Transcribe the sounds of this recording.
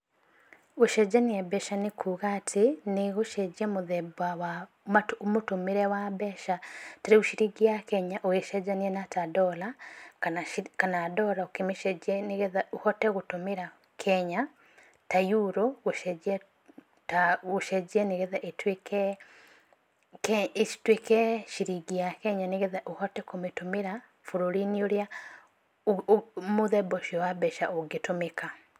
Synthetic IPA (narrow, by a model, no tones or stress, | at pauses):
oʃɛd͡ʒaneɛbɛʃanekʰuɣatʰeneɣoʃɛd͡ʒiɛmoðɛbwawa | matoomotomeɾɛwabɛʃataɾeuʃiɾiɡiakɛɲaʔoeʃɛd͡ʒaniɛnatadɔla | kanadɔlaokemeʃɛɛneɣɛðaohɔtɛɣotomeɾa | kʰɛɲa | tajuɾoɣoʃɛd͡ʒɛ | taɣoʃɛd͡ʒɛneɣɛðaʔetwekɛ | ketwekɛʃiɾiɡiakɛɲaneɣeðaʔohɔtɛkometomeɾa | foɾoɾinioɾja | moðɛbɔʃiɔwabɛʃaʔoɡetomeka